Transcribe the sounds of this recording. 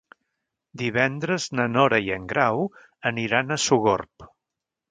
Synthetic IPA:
d̪iβ̞ɛnd̪ɾəznənɔɾəiəŋɡɾaw | əniɾanəsuɣo̰rp

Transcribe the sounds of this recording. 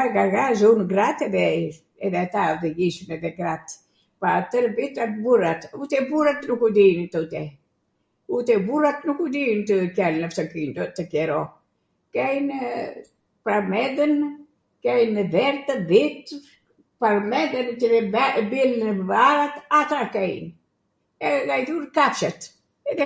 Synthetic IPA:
aɾɡaɾɡazunɡɾat̪ɛðɛ | ɛðɛat̪aðɛɡiʃmɛðɛɡɾat̪ | pat̪əɾbit̪aburat̪ut̪ɛbuɾat̪nukud̪int̪ut̪ɛ | ut̪ɛburat̪nukud̪int̪əkɛlnəft̪əkint̪ɔt̪ːəkɛɾɔ | kɛjn | pɾaɾmɛd̪ən | kɛjnəðɛɾt̪ðit̪ | paɾmɛd̪ənt̪ivɛbiləvaɾat̪at̪akɛjn | ɛɡajd̪uɾkaft͡ʃət̪ | ɛðɛ

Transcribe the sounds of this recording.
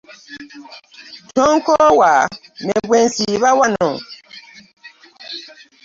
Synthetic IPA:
tɔŋkɔwamɛbwɛnsiβawanɔ̃

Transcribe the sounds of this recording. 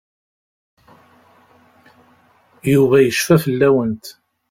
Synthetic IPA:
juvæjəʃfæfəlːæwənt̪

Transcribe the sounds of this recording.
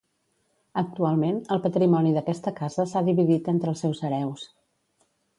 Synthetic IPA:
ək̚t̪ualˠmenəlˠpət̪ɾimɔniðəkɛst̪əkazəsaðiβiðit̪ent̪ɾəlˠsɛwsəɾɛws

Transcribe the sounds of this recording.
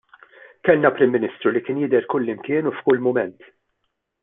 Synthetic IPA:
kɛlnɐpɾɪmːɪnɪst̪ɾulikɪːnjɪd̪ɛɾkʊlːɪmkɪːnufkʊlːmʊmɛnt̪

